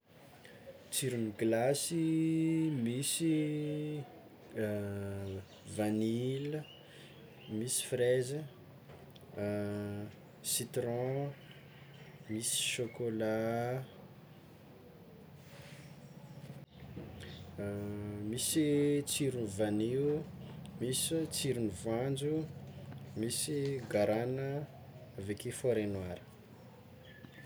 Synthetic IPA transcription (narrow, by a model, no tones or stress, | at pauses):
t͡siɾuniɡlasi | misi | vanilə | misi̥frezə | sit̪ɾɔ̃ | misi̥ʃokola | misit͡siɾunivaniumisit͡siɾunivand͡ʒu | misiɡaɾanə | vekefoɾenwaɾə̥